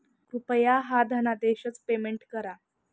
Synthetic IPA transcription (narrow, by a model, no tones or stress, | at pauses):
kɾupəjaɦad̪ʱənad̪eɕət͡spemeɳʈkəɾa